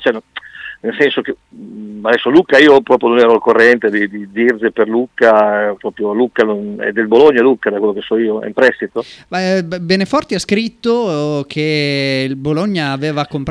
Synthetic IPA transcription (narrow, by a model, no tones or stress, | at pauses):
t͡ʃɛnnelsɛnsok̟e | ad̪ɛsːolukaiːopɾɔːpɾjononɛːɾolkorːɛnt̪ed̪id̪id̪irzeperlukːapɾɔpɾjolukːanonɛ̰d̪ːelboloɲːalukːad̪akwelːokesːɔiːoɛ̰impɾɛst̪it̪omabenefɔrt̪iaskɾit̪ːokʰelboloɲːaːveːvakːompɾ